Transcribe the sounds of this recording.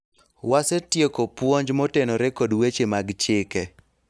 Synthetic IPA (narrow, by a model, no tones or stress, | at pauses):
wasetjekopwoɲd͡ʒmɔtenɔɾɛkodwet͡ʃemaɡt͡ʃɪkɛ